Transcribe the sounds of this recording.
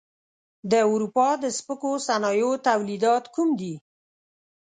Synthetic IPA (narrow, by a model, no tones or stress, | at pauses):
d̪əawɾupɑd̪əspəkosanɑjot̪awlid̪ɑt̪kumd̪i